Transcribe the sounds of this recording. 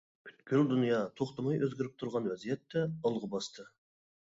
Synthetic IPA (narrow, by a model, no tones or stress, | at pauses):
b̥ʰy̥t̪kʲʰyld̪unijɑt̪ʰoqt̪ɑmɑjøzɡʲɪɾɪp̚t̪ʰuɾʁɑnwɛzijɛt̪ːɛəlˠʁəbɑst̪ʰɨ